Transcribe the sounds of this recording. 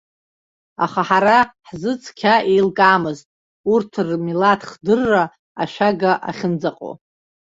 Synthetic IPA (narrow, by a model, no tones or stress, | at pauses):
a̰χaħaɾaħzɨt͡sʼʰkʲʰaʔejlkʼaːmɨztʼ | urtʰɨrmilatʰχdɨrːa | aʃᶣaɡaʔa̰χʲɪnd͡zaqʼo̰